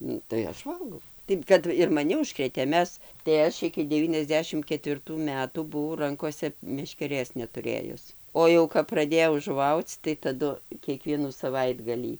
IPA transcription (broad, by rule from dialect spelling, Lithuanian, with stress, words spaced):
ˈnʊ tɐɪ ˈɐʃ ˈʋɐlˠɡɐʊ tɐɪ ˈkɐt ɪr mɐˈnʲɪ ʊʃˈkrʲeːtʲeː ˈmʲɛs tɐɪ ˈɐʃ ɪkʲɪ dʲɛˌʋʲiːnʲɛzʲˈdʲæːʃʲɪm kʲɛtʲʋʲɪrˈtuː ˈmʲæːtuː bʊˈʋɐʊ ˈrɐŋkoːsʲɛ mʲɛʃʲkʲɛˈrʲeːs nʲɛtʊˈrʲeːjʊs ˈoː jɛʊ kɐp prɐˈdʲeːjɛʊ ʒʊˈʋɐʊt͡s tɐɪ tɐˈdʊ kʲiɛˈkʋʲiɛnuː sɐˈʋɐɪdɡɐlʲiː